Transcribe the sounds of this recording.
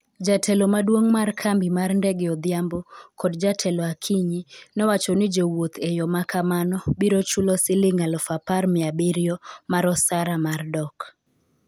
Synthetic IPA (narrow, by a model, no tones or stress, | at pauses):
d͡ʒatʰɛlomadwoŋmarkʰambimarndɛɡɪɔd̪ɪambokɔdd͡ʒatʰɛlɔakʰiɲinɛwat͡ʃɔnɪd͡ʒowot̪ʰejɔmakʰamanɔbiɾot͡ʃulosɪlɪŋalɔfaparmɪabɪɾjɔmaɾɔsaɾamardɔk